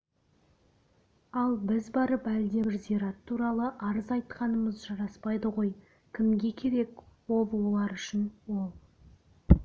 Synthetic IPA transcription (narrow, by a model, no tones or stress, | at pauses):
ɑlˠbɪzbɑɾəpælɪd̪e̞bɪɾziɾɑt̪ʰːuɾɑlˠəʔɑɾəzɑjt̪qɑnəməzʒɑɾɑspɑjd̪əʁo̞j | kʲʰɪmɡʲe̞kʲʰe̞ɾe̞kwo̞lˠolˠɑɾʏʃɪnwo̞lˠ